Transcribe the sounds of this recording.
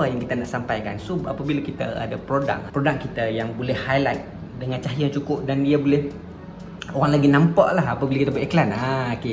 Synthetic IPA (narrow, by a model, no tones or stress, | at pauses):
əjaŋkit̪anaʔsampajka̰nsoa̰pabilakit̪aa̰dapɾoda̰k̚pɾodak̚kit̪ajaŋbolɛhhajlajt̪̚ | dəŋãnt͡ʃaɦijat͡ʃukʊp̚dandiabolɛh | oɣaŋlaɡinãmpa̰ʔlaɦapabilakit̪ab̪eklanake